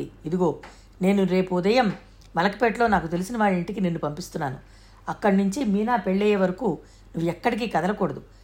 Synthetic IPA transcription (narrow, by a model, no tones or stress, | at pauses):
iid̪iɡo̞ː | ne̞ːnuɾe̞ːpuːd̪ɐjɐmː | ɐlɐkɐ̥peːʈlo̞ːnaːkut̪e̞lisinɐʋaːɭːiɳʈikine̞ːnːupɐmpist̪unːaːnu | ɐkːɐɽinuɲt͡ʃimiːnaːpe̞ɭːɛːjeʋɐɾɐkuː | nuʋːuɛkːɐɽik̬ikɐd̪ɐlɐkɔːɽɐd̪u